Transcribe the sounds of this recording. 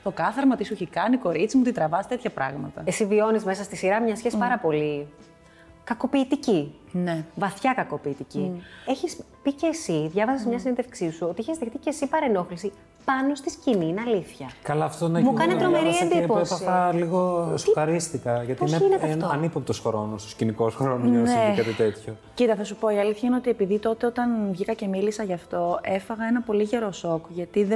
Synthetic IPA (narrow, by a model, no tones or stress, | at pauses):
t̪o̞kɐθɐɾmɐt̪iseçikɐniko̞ɾit͡simut̪it̪ɾɐvɐst̪et̪çɐpɾʔɐ̰ɣmɐt̪ɐesivio̞nizme̞sɐst̪isiɾɐmɲɐsçesipɐɾɐpo̞li | kɐko̞piːt̪ici | nevɐθçɐkɐkopiːt̪icie̞çis | pice̞ːsiðʝɐvɐsɐsmɲɐsinenðefksisuo̞t̪iiçezðext̪icesipɐɾe̞no̞xlisi | pɐno̞st̪iscininɐliθçɐkɐlɐːft̪onɐmukɐnet̪ɾomeɾieed̪ipoesɐiɐliɣosuxɐɾist̪ikɐʝɐt̪ineineɐnoɐnipunt̪osxɾonost̪oscinikosxoɾononekɐt̪it̪et̪ço | cit̪ɐθɐsupo̞iɐliθçɐineo̞t̪iepiðit̪o̞t̪e̞o̞t̪ɐnvʝikɐce̞milisɐʝɐft̪o̞ʔe̞fɐɣɐe̞nɐpo̞liʝe̞ɾo̞so̞kʝɐt̪iðe